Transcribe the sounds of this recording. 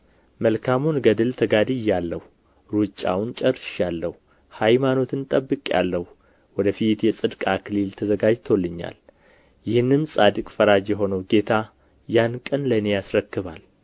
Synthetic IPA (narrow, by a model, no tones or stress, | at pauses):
məlkʰamunɡəd̪ɨlt̪ʰəɡad̪ɨjːalːəh | ɾut͡ʃʼːa̰wnt͡ʃʼəɾːʃjalːəhu | hajmano̞t̪ʰɨnt̪ʼəbːɨkʼa̰lːəhu | wɔd̪əfit̪jɛsʼɨd̪kʼakʰɨlɨlt̪ʰəzəɡad͡ʒt̪ʰolːɨɲːa̰l | jɪhɨnːɨmsʼad̪ɨkʼfəɾad͡ʒjɛɦo̞nəwɡe̞t̪ʰa | jankʼənlənejasɾəkːɨβal